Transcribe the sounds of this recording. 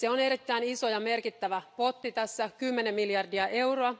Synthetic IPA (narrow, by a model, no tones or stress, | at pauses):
seone̞ɾit̪ːæiniso̞jɑmerkit̪ːæʋæpo̞t̪ːit̪æsːækymːenemːiljɑrdiɑʔe̞wroɑ